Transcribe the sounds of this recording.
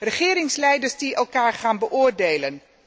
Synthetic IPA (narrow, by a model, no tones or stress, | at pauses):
rəχɪːɾɪŋslɛjdərsdiɛlˠkaːrχaːnbəʔoːrdeːlən